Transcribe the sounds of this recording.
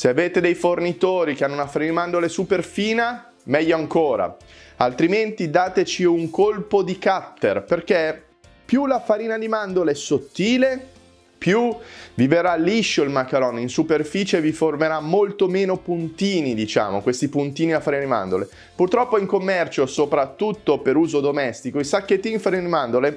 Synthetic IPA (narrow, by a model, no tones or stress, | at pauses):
seaveːt̪ed̪ejfornit̪oːɾik̟eanːounafaɾiːnimand̪olesuperfiːna | mɛʎːoaŋkoːɾa̰ | alt̪ɾiment̪id̪aːt̪et͡ʃiuŋkolpod̪ikat̪ːerperke | pjulafaɾiːnad̪imand̪oleɛsot̪ːiːle | pjuviveɾalːiʃːoilmakːaɾɔninsuperfiːt͡ʃeviformeɾamːolt̪omeːnopunt̪iːnid̪it͡ʃa̰ːmo̰kwest̪ipunt̪iːniafːaɾiːnad̪ima̰nd̪ole | purt̪ɾɔpːoiŋkomːɛrt͡ʃosopɾat̪ːut̪ːopeɾuːzod̪omɛst̪ikoilsakːet̪ːiŋfaɾiːnad̪imand̪ole